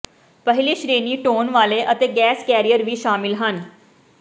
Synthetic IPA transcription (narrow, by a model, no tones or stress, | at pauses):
pəɦɪliːʃɾeːniːʈoːnʋaːleʔət̪eɡɛːskɛːɾijəɾʋiːʃaːmɪlɦən